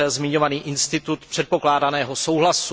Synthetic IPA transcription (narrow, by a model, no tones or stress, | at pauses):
ɛzmɪɲo̞vaniːʔɪnst̪ɪt̪ut̪pr̥ɛt̪po̞klaːdanɛːɦo̞so̞wɦlasu